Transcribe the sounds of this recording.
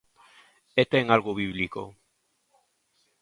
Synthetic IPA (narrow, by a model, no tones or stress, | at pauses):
et̪eŋalɣoβiβliko̰